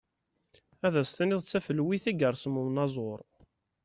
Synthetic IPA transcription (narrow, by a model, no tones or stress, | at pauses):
æðæst̪niðˤt͡sːæfəlwiθæɡəɾˤsəmumnɑzˤoɾˤ